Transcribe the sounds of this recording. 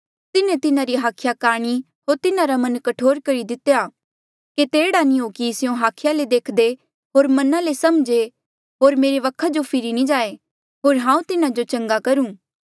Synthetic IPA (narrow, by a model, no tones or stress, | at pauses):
t̪ɪnẽt̪ɪnãɾiɦaːkʰɪjakaːɽ̃i | ɦoːɾt̪ɪnãɾamɐnkɐʈʰoːɾkɐɾid̪ɪt̪ejaː | ket̪eːɽanĩɦokiɪsɪjõɦaːkʰɪjaled̪eːkʰd̪e | ɦoːɾmɐnãlesɐmd͡ʒe | ɦoːɾmeːɾeʋɐkʰːad͡ʒopʰɪɾinĩd͡ʒaːe | ɦoːɾɦãːũt̪ɪnad͡ʒot͡ʃɐ̃ŋɡakɐɾũː